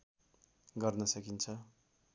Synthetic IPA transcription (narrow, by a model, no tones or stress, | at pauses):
ɡʌrnʌsʌkint͡sʰʌ